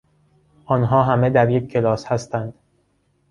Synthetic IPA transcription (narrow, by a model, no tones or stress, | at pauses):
ʔɒːnɦɒːɦæmed̪æɾjekʰcʰːe̞lɒːshæst̪ænd̪̥